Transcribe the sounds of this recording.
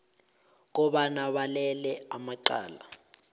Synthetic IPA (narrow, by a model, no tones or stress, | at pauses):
k̬ɔɓanaɓalɛlɛamaǃa̰ːla̰